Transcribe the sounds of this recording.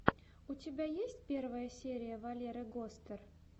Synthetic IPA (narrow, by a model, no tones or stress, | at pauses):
utʲɪbʲajesʲtʲpʲe̞rvəjəsʲeɾʲɪjəvɐlʲeɾəɡost̪ər